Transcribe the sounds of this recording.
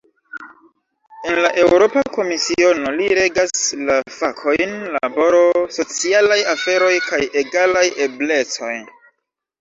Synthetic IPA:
e̞nlaʔe̞wwɾo̞pako̞misio̞no̞liɾe̞ɡaslafakʰo̞jnla̰bo̞ɾo̞so̞t͡sialajafe̞ɾo̞jkaje̞ɡalaje̞ble̞t͡so̞j

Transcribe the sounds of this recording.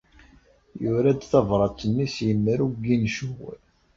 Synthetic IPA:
jʊɾæd̪θɑvɾˤɑt͡sːənːisjəmːəɾuɡinʃuw̰

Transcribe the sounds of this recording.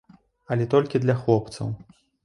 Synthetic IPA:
ɐlʲɛt̪ɔlʲkʲid̪lʲɐxlˠɔp̚t̪sɐ̰w

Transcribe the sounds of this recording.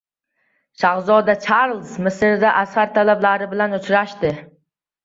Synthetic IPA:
ʃaʁzɒd̪at͡ʃʰaɾlˠzmɪsɾɪd̪aʔashaɾt̪ʰalablaɾɪbɪlanʊt͡ʃɾaʃt̪ɪ

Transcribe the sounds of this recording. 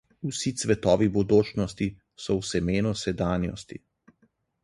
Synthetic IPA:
usit̪sʋɛt̪ɔːʋibɔd̪oːt͡ʃnɔst̪i | sɔwsɛmeːnusɛd̪aːnjɔ̰st̪ḭ

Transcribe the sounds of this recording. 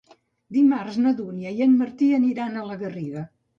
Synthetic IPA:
d̪imarznəðuniəjənməɾt̪iəniɾanələɣəriɣə

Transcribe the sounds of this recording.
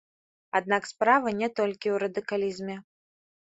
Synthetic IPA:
ad̪̚nakspɾavɐnʲɛt̪ɔlʲkʲiwɾɐd̪ɨkalʲizmʲɛ

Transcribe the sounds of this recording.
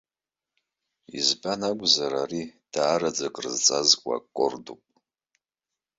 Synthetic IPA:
ḭzbanaɡʷʼzaɾarid̥aːɾad͡zakʼrɨzt͡sʼazkʷʼa̰kʷʼːordupʼ

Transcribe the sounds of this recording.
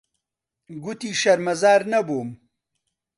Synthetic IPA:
ɡut̪iʃɐɾmɐzaːɾnɐboːm

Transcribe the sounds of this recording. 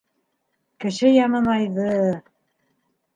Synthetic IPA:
kɘ̆ʃɘjɑmɤnɑjðɤ

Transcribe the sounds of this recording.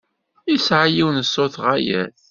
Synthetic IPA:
isʕajiwnəsːʊθʁajæ̰ð

